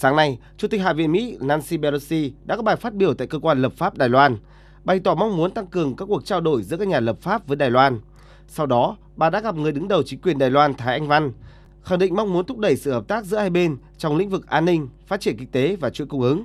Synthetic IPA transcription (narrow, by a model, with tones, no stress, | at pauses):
saː˨˦ŋna˧jt͡ɕu˧˩t̪i˨˩k̚ɦa̰ː˧˨vḭ˧˨ənmḭ˧˥naː˧nsi˧ɓɛ˧lo˧si˧ɗa̰ː˧˥kɔː˨˦˥ɓaː˨˩jfaː˦˥t̚ɓi˧˩əwt̪a̰ː˧˨jkəː˧kwaː˧nləː˨˩p̚faː˦˥p̚ɗaː˨˩jlwaː˧n | ɓa˨˩jt̪ɔ˧˩ma˧wŋ͡mmu˨˦nt̪a˧ŋkɨ˨˩əŋkaː˦˥kːu˨˩ək̚t͡ɕaː˧wɗo˧˩jzɨ̰˧˥kaː˦˥k̚ɲaː˨˩ləː˨˩p̚faː˦˥p̚vəː˨˦jɗaː˨˩jlwaː˧n | sa˧wɗɔ˨˦ | ɓaː˨˩ɗa̰ː˧˥ɣa˨˩p̚ŋɨ˨˩əjɗɨ˨˦ŋɗə˨˩wt͡ɕï˨˦ŋ̟kwi˨˩ənɗaː˨˩jlwaː˧nt̪ʰaː˨˦jʔa˧jŋ̟va˧n | xa˨˧˩ŋɗḭ̈˧˨ŋ̟ma˧wŋ͡mmu˨˦ənt̪ʰʊ˦˥k͡p̚ɗə˧˩jsɨ̰˧˨həː˨˩p̚t̪aː˦˥k̚zɨ̰˧˥əhaː˧jɓe˧n | t͡ɕɔ˧wŋ͡mlḭ˧˥ŋ̟vɨ˨˩k̚ʔaː˧nːï˧ŋ̟faː˦˥t̚t͡ɕi˧˩ənkï˧˩ŋ̟̚t̪e˨˦vaː˨˩t͡ɕui˧˥˨kʊ˧ŋ͡mŋʔɨ˨˦ŋ